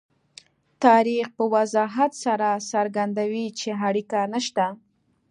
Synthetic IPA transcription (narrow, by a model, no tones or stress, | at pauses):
t̪ɑɾixpəwazɑɦat̪saɾasaɾɡand̪awit͡ʃeɦaɽikanaʃt̪a